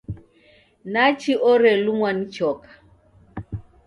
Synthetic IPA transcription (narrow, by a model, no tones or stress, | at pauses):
nat͡ʃiʔɔɾɛlumwanit͡ʃɔkḁ